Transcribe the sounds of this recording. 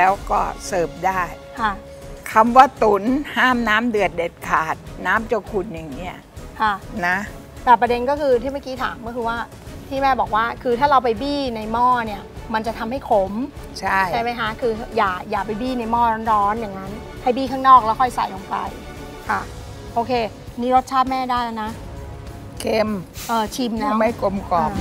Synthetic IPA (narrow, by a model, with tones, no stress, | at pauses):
lɛː˦˥wkɔː˥˩sɤː˨˩p̚daː˥˩j | kʰa˥˩ | kʰa˧mwaː˧˥˩t̪u˨˩˦nhaː˥˩mnaː˦˥mdɯ˨˩ət̪̚de˨˩t̪̚kʰaː˨˩t̪̚naː˦˥mt͡ɕo˧kʰu˨˩nja˨˩ŋni˦˥ɐ | kʰa˥˩na˦˥ | t̪ɛː˨˩pɾa˧de˧nkɔː˥˩kʰɯː˧t̪ʰiː˥˩ma˥˩kiː˦˥t̪ʰaː˩˦ŋkɔ˥˩kʰɯː˧waː˥˩ | t̪ʰiː˥˩mɛː˥˩bɔː˨˩k̚waː˥˩kʰɯː˧t̪ʰaː˥˩ɾa˧wpa˧jbiː˥˩na˧jmɔː˥˩ni˥˩ɐma˧nt͡ɕa˨˩t̪ʰa˧mha˥˩jkʰo˨˦m | t͡ɕʰa˥˩jʰa˥˩jma˦˥jkʰa˦˥kʰɯː˧jaː˨˩k̚jaː˨˩k̚pa˧jbiː˥˩na˧jmɔː˥˩ɾɔː˦˥nɾɔː˦˥nja˨˩ŋːa˦˥n | hʰa˥˩jbiː˥˩kʰaː˥˩ŋnɔː˥˩k̚lɛ˦˥kʰɔ˥˩jsa̰˨˩˦jlo˧ŋpa̰˧j | kʰa˥˩ | ʔoː˧kʰeː˧ | niː˦˥ɾo˦˥t̪̚t͡ɕʰaː˥˩t̪̚mɛː˥˩daː˥˩ja˧˩na˦˥ | kʰe˧mʔɤː˧˩t͡ɕʰi˧mnɔ˦˥˦ma˥˩jko˧mkɔ˨˩˧